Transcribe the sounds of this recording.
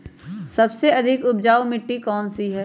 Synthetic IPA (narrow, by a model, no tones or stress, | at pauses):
sɐbseɐd̪ʱɪkʊb̚d͡ʒaːomɪʈːikɔːnsiɦɛː